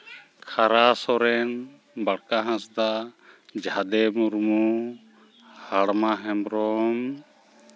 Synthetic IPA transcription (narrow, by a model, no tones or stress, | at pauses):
kʰaɾasɔɾɛn | baɽkaɦãsd̪ad͡ʒʱad̪ɛmuɾmu | haɽmaɦɛmɾɔm